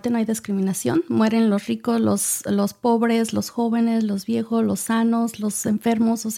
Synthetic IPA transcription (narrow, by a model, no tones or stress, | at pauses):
t̪enoajðiskɾimĩnasjo̰nmwe̞ɾe̞nlo̞srikoslo̰slo̞spo̞βɾe̞slo̞sxo̞βe̞ne̞zlo̞zβje̞xo̞zlo̞sano̞zlo̞se̞ɱfe̞ɾmosos